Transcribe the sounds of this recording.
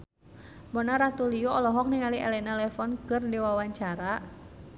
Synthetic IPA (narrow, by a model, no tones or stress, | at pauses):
bɔnaɾat̪ulijɔɔlɔɦɔk̚niŋaliʔɛlɛnalɛfɔnkərdiwawaɲt͡ʃaɾa